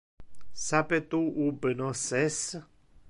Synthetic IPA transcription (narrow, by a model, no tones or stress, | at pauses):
sapet̪uubənɔ̃sɛs